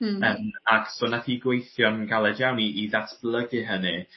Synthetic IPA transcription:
əmaksoːnaθiːɡwejθjɔnɡalˠɛdjawniʔiðatʰb̥lˠəɡɨɦənɨ

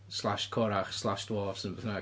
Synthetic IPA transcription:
slˠaʃkʰɔɾaχslˠaʃdwɔːvsənbɛθna

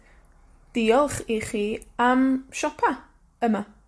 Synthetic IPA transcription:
d̥iːɔlˠχiχiːamʃɔpʰa | əma

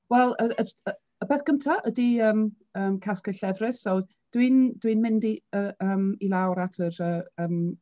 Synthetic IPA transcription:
wɛlˠəəə | əbeːθkəmtʰaʔədiəːm | əːmkʰaskəɬɛvrɪssow | d̥wind̥winmɪndiəəːmilˠawɾatʰəɾəːəːm

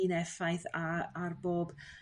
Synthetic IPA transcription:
inɛfajθaarboːb

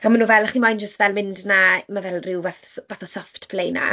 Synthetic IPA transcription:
amanuːvɛlˠaχnimajnd͡ʒəstvɛlˠmɪndnamavɛlˠrɪwvaθvaθɔsɔftpʰlejna̰

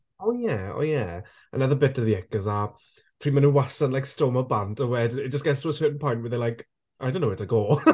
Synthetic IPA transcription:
oːjɛo̰jɛ | ə̰naðəbɛtəðiɛkəza | pʰr̥iːmanunwasənlajkstoːməbantəwɛdɛd͡ʒəsɡ̥ɛsuəswɪdən̩pʰɔjntwɛðɛlajk | ʔajdõnːowɪtəɡoː

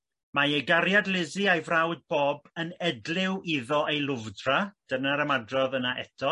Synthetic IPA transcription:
majeɡaɾjadlɪzɨajvrawd̚bɔːbənɛdlɪwiðɔʔejlˠʊvdrad̥ənaɾəmadrɔðənaɛ̰tʰɔ

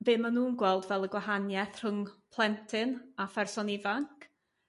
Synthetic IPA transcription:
bɪːmanuːnɡwɛlˠdvɛlˠəɡwaɦanjɛθr̥ʊŋpʰlˠɛntʰɪnafɛrsɔnivaŋkʰ

